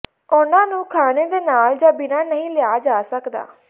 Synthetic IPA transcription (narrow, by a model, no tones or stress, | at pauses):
ʊnãːnũːkʰaːneːd̪eːnaːld͡ʒaːbɪnaːnəɦĩːlɪjaːd͡ʒaːsəkd̪a̰ː